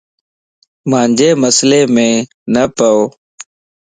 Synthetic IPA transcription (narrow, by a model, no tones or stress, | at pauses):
mãːnd͡ʒʱeːməsleːmẽː | nəpəoː